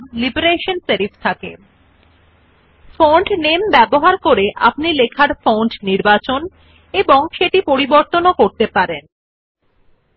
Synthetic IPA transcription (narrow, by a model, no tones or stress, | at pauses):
libeɾeʃonseɾift̪ʰake | foɳɖnembɛboɦaɾkoɾeʔa̰pnilekʰaɾfowɳɖniɾbat͡ɕon | eboŋʃeʈipoɾiboɾt̪onokoɾt̪epaɾen